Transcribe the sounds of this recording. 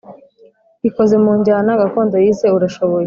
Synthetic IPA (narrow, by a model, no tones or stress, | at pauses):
iko̞ze̞muːɲɟaːnaɡako̞ːndojize̞uɾaʃo̞βo̞je